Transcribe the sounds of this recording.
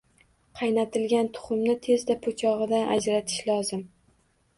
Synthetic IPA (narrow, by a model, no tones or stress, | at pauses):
qʰɑjnat̪ʰɪlɡʲant̪ʰʊ̥χʊmnɪt̪ʰe̞zd̪apʰot͡ʃʰɒʁɨd̪anʔa̰d͡ʒɾat̪ʰɪ̥ʃlɒzɪm